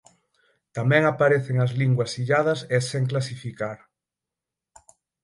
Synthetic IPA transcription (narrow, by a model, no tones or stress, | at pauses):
t̪amɛ̃ŋapaɾeθeŋɐzliŋɡwɐsiʎað̞ɐsɛseŋk̬lasifikaɾ